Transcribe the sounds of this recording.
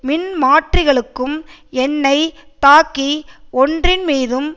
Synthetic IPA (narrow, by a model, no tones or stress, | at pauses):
mɪnmaːʈrɪɣɐɭɯkːɯm | ɛnːɐɪt̪aːkːiɔndrɪnmiːðɯm